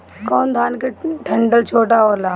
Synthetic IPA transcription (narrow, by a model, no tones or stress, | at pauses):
kɔːnd̪ʱaːnkeʈʰɐ̃ɳɖəlt͡ʃʰoːʈaoːlaː